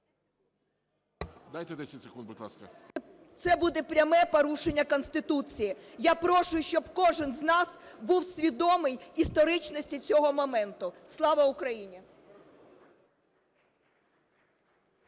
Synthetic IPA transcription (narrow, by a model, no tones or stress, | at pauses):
d̪ajt̪ɛd̪ɛsʲɐtʲsekund̪̚bʊt̪lˠɑ̰skɐ̰ | t̪sɛbud̪ɛpɾʲɐmɛpɔɾuʃenʲːɐkɔnst̪ɪt̪ut͡sʲijijapɾɔʃʊjʊʃt͡ʃɔbkɔʒɪnznɑsbuwsʲʋʲid̪ɔmɪjist̪ɔɾɪt͡ʃnɔsʲtʲit͡sʲɔɦɔmɔmɛnt̪ʊslˠɑʋɐʊkɾɐjinʲi